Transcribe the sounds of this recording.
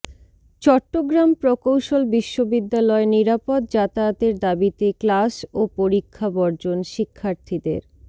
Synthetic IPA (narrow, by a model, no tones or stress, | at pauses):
t͡ɕɔʈːoɡɾampɾokowʃolbiʃːobid̪ːalɔeniɾapot̪̚d͡ʑat̪at̪eɾd̪abit̪eklasopoɾikʰːabɔɾd͡ʑonʃikʰːaɾt̪ʰid̪ḛɾ